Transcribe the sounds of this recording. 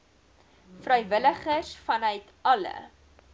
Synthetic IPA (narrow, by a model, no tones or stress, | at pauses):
frœjvələχəsfɐnœɥt | ɐlə̰